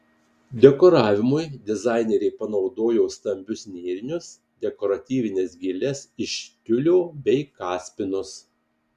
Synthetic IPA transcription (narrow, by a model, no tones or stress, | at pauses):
d̪ʲɛkɔɾɑːʋʲɪmʊjd̪ʲɛzɑˑɪnʲɛɾʲɛɪpɐnɒʊd̪oːjoːst̪ɐmʲbʲʊsʲnʲeːɾʲɪnʲʊs | d̪ʲɛkɔɾɐt̪ʲiːʋʲɪnʲeːsɡʲɪlʲɛsɪʃʲk̪ʲʊlʲoːbʲɛɪkɑːsʲpʲɪnʊs